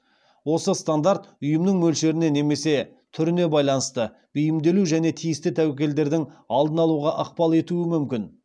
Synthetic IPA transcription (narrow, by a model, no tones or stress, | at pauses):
wo̞səst̪and̪aɾt̪ʊjəmnəŋmɵlʃe̞ɾɪne̞ne̞me̞se̞ | t̪ʰʏɾɪne̞bɑjlˠɑnəst̪ə | b̥ejɪmd̪e̞luʒæne̞t̪ʰijɪst̪ɪt̪ʰæwekʲe̞ld̪e̞ɾd̪ɪŋɑlˠd̪ənɑlˠuʁɑʔəqpɑlˠe̞t̪uɪmʏmkʲɪn